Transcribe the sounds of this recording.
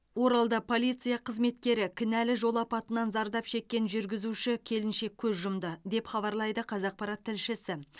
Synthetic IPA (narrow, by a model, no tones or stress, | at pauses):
wo̞ɾɑlˠd̪ɑpʰo̞lʲijt̪sɨjɑqʰəzme̞t̪kʲe̞ɾɪkʲʰɪnælɪʒo̞lˠɑpɑt̪ənɑnzɑɾd̪ɑpʃe̞kʲːe̞nʒʏɾɡʲɪzuʃɪkʲʰe̞lɪnʃe̞kʲʰɵzʒʊmd̪əd̪e̞pχɑβɑɾlˠɑjd̪əqʰɑzɑq̚pɑɾɑt̪ʰːɪlʃɪsɪ